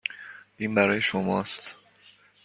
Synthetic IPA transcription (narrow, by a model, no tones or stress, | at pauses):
iːnbæɾɒːjeʃomɒːst̪